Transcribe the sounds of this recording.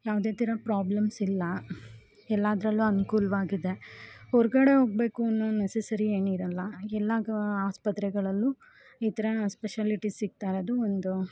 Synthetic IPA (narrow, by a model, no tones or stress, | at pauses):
jaːʋd̪e̞ːt̪iɾɐpɾaːblɐmsilːɐ | ɛlːaːd̪ɾɐlːuɐnukuːlʋaːɡid̪e̞hɔɾɡɐɽe̞ɦo̞ːɡ̚be̞ːkuɐnːunesesɐɾieːniɾɐlːɐɛlːɐaːspɐt̪ɾɛɡɐɭɐlːu | iːt̪ɐɾɐspeʃaːliʈisːiɡ̚t̪aːɾɐd̪uond̪u